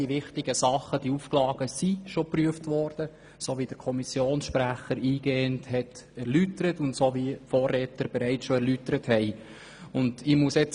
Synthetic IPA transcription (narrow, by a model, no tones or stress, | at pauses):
iʋɪχtɪɡəsɑχəd̥iufklɑːɡ̥əsiʃopryəftʋɔɾd̥ə | soʋid̥əɾkʰɔmisjoːnsʃpɾæχəɾiːɡ̥eːənthɛtɛɾlytəɾətʊntsoʋifoːrɛtəɾb̥ɛɾɛɪtsʃoɛɾlytəɾəthɛɪ | ʊndɪmuəsɛt͡s